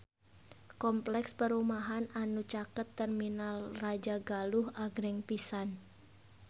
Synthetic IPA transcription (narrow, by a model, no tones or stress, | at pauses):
kɔmplɛkspəɾumaɦananut͡ʃakət̪ːɛrminalrad͡ʒaɡaluhaɡɾɛŋpisan